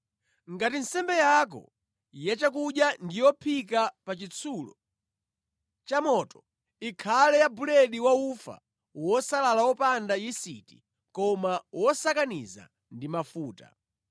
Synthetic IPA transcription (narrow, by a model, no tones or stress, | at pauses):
ŋɡatin̩sɛmbɛjak̬ɔ̰ | jɛt͡ʃakuɗjandijɔpʰikapat͡ʃit͡sʰuːlɔ̰ | t͡ʃamɔtɔ̥ | ikʰalɛjabulɛɗiwaufa̰ | wɔsalalawɔpandajisḭti̥ | kɔmawʔɔsakanḭza̰ | ndimafuːta̰